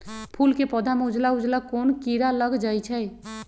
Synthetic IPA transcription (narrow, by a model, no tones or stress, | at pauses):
pʰulkepɔd̪ʱameud͡ʒlaud͡ʒlakonkiɾalʌɡd͡ʒʌjt͡ʃʰʌj